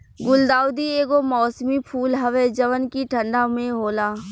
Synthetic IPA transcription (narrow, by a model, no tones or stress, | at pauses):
ɡʊld̪aːwd̪ieːɡomɔːsmipʰuːlɦəʋed͡ʒəʋənkiʈʰə̃ɳɖamẽɦoːlaː